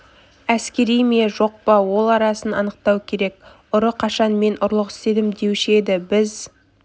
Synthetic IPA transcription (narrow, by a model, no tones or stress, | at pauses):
æskʲe̞ɾijme̞ʒo̞q̚pɑwo̞lˠɑɾɑsənɑ̰nəq̚t̪ɑwkʲʰe̞ɾek̚ | ʊɾəqʰɑʃɑnme̞nʔʊɾlˠəqɪst̪e̞d̪ɪmd̪e̞wʃe̞d̪ɪbɪz